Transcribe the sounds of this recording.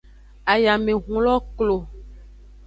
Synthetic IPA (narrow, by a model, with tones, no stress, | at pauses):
a˨ja˨mẽ˨ɦũ˨lɔ˦klo˨